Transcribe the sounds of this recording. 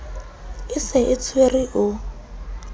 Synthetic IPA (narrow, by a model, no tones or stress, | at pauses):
ɪsɪʔɪt͡sʰweriʔʊ